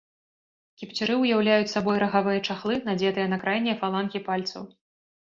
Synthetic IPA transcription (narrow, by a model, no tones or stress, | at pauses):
kʲipt͡sʲiɾɨwjawlʲajut͡sʲsabɔjɾɐɣavɨjɐt͡ʂaxlˠɨnad͡zʲɛt̪ɨjɐnɐkɾajnʲːɛfalˠankʲipalʲt̪sɐ̰w